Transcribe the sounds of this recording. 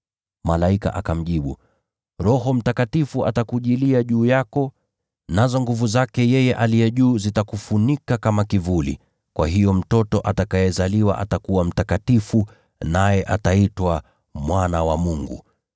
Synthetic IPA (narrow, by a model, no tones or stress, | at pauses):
malaika̰ʔakam̩ʄiɓu | ɾɔɦɔm̩takatifua̰takuʄiliaʄuːjakɔ | nazɔŋɡuvuzakɛjɛjɛʔalijɛʄuːzitakufunikakamakivulḭ | kwa̰ɦijɔm̩tɔtɔʔatakajɛzaliwa̰ʔa̰takuwam̩takatifu | najɛʔa̰taitwa | mwanawamuŋɡṵ